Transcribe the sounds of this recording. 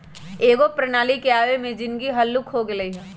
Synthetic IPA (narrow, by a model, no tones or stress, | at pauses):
eːɡopɾɐnaːlikeaːʋemẽd͡ʒɪnkiɦɐlːʊkɦoɡelɐiɦɛː